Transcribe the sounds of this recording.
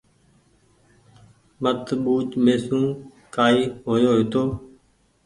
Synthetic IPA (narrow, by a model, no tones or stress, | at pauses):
mət̪ɓuːt͡ʃmeːsũː | kaːiːɦoːjoːɦeːt̪oː